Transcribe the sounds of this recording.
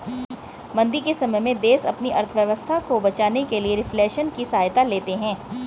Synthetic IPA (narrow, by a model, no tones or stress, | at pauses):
mɐ̃nd̪ikesɐməjmẽd̪eːsɐ̰pniʔɐɾt̪ʰʋjəʋəst̪ʰakobɐt͡ʃaːnekelieɾɪfleːʃənkisaːjt̪aleːt̪eɦɛ̃ː